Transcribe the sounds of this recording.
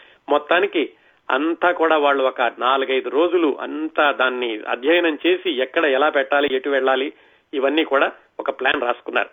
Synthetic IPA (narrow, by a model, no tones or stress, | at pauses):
mɔt̪ːaːniki | ɐ̰nt̪aːkuːɽaːʋaːɭːuɔkɐnaːluɡɐjd̪uɾo̞ːd͡ʒuluʔɐ̰nt̪aːd̪aːnːiɐ̰d̪ʱjɐjɐnɐmt͡ʃe̞ːsiɛkːɐɽɐɛlaːpɛʈːaːlieʈuʋɛɭːaːliː | ʋɐnːiːkuːɽaː | ɔkɐplaːnɾaːsu̥kunːa̰ːɾu